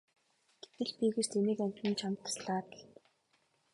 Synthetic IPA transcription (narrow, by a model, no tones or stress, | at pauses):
ɡ̥e̥t̪ɘ̆ɮpiɣeːst̪ʰeniːkæm̥ʲt̪ĭnt͡ɕʰamt̪ə̥sɮaːt̪ɮ